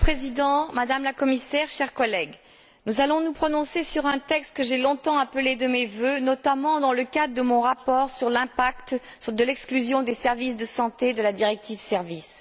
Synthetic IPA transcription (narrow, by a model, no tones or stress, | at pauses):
pχezid̪ɑ̃mad̪amlakɔmisɛʁʃɛʁkɔlɛɡ | nuzalɔ̃nupχɔnɔ̃sesyʁɛ̃t̪ɛkst̪̚kəʒelɔ̃t̪ɑ̃apəled̪əmevønɔt̪amɑ̃d̪ɑ̃ləkad̪ʁəd̪əmɔ̃ʁapɔʁsyʁlɛ̃pakt̪ | d̪əlɛksklyzjɔ̃d̪esɛʁvis̬d̪əsɑ̃t̪ed̪əlad̪iʁɛk̚t̪ivsɛʁvis